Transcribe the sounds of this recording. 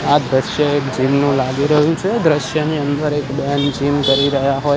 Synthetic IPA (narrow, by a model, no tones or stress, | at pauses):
ad̪ɾəʃjəekd͡ʒimnũlaɡiɾəɦũt͡ʃʰed̪ɾəʃjəniənd̪əɾekband͡ʒimkəɾiɾəɦjaɦo